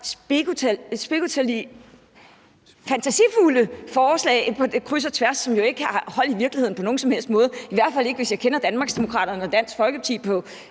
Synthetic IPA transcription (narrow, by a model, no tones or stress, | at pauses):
sb̥ɡusb̥iɡut͡sʰ | fænt͡sʰæsḭfuləfɒːslɛ̰ɪpʰɒ̽d̥ekʰʁys̬ɐt͡sʰʋæɐsːɒ̽mjo̝e̝ɡ̥əæhɒ̽l̰d̥iʋiɐɡ̥liheð̰ˠn̩pʰɒ̽no̝ːn̩sɒ̽mhel̰sd̥mɔ̽ːð̞ˠiʋæɐ̰d̥fæl̰e̝ɡ̥əʋe̝sjɑ̈ɪkʰenɐd̥ænmɑ̈ɡ̥sd̥e̝mo̝kʰʁɑ̰dɾ̥ɐnəɒ̽d̥æn̰sɡ̥fɒ̽lɡ̥əpʰɑ̈t͡sʰḭːpʰɒ̽